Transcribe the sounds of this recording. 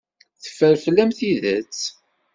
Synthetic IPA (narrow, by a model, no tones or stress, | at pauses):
θə̥fːəɾflːæmθiðə̰t͡s